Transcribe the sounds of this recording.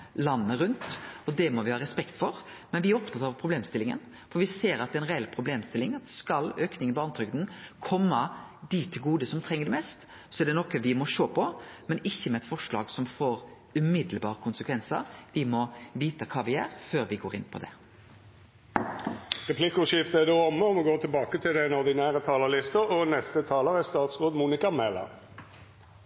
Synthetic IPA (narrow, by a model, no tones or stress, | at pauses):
lɑnːəɾʉnt̪ɔd̪ɛmɔʋɪhɑːɾɛspɛkt̪fɔɾ | mɛnʋɪæɾɔpt̪ʰɑt̪ːɑɾɑʋpʰɾʊbleːmst̪ɪlɪŋə̰n | fɔɾʋɪseːɾɑt̪d̪ɛnʁɛɛlpʰɾʊbleːmst̪ɪlːɪŋɑt̪skɑløːknɪŋənbɔɑnət̪ʰɾʏkd̪n̩kʰɔmːɑd̪it̪ʰːɪlɡuːd̪əsɔmt̪ʰɾɛŋːəɖɛmɛst̪ | sɔɛæɖɛnɔkːəʋɪmɔʂoːpʰɔmɛnɪçːəmɛɛt̪fɔʂɭɑ̰ːɡsɔmfoːɾ | ʉmɪd̪lbɑːʁəkʰʊnsəkʰʋɛnsə̰ʋɪmɔʋiːt̪əkʰɑːʋɪæːɾføːɾʋɪɡoːʁɪ̰npʰɔ̰d̪ɛ̰ | ʁɛpʰlɪkʊʃɪft̪əæd̪ɛɔmːəɔmɔɡoːt̪ʰɪlbɑːkət̪ʰɪld̪ænɔʁd̪ɪnæːʁət̪ʰɑːləlɪst̪əɔnɛst̪ət̪ʰɑːləʁɛst̪ɑːt̪sʁoːd̪muːnɪkɑmɛlɑ̰